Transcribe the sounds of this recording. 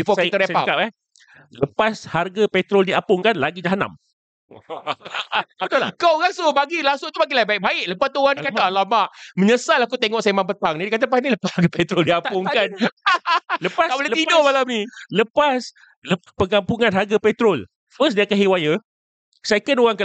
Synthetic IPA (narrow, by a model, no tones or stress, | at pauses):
bifɔsiəɾespakap̚ɛh | ləpasharɡapɛt̪ɾoldiapʊŋkanlaɡid͡ʒaɦana̰m | t̪olkaɣaŋsubaɡilaŋsʊt̪ubaɡilaibaɪʔ̚baɪʔləpast̪uɣaŋndikaalamaʔməɲəsalakut̪eŋɔʔsemaŋp̬ət̪aŋnidikat̪̬apasniləpashaɾɡapɛt̪ɾoldiapʊŋkan | ləpasabolelət̪idomalamniləpas | lə | pəŋampuŋanɦarɡapɛt̪ɾol | fəs̬diakaɦiwajə | sekənoɣaŋkə